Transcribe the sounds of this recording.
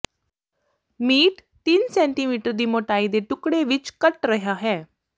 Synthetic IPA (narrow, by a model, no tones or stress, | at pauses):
miːʈ | t̪iːnsɛ̃ɳʈimiːʈəɾd̪imoʈaːid̪eʈukɽeʋit͡ʃkəʈɾɐɦjaɦɛː